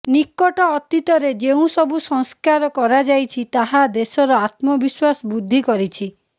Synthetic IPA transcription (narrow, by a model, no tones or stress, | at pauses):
nikːɔʈɔːt̪it̪ɔɾed͡ʒeũsɔbusɔŋskaɾɔkɔɾad͡ʒajt͡ʃʰit̪aɦad̪esɔɾɔat̪mɔbiswasɔbud̪ʱːikɔɾit͡ʃʰi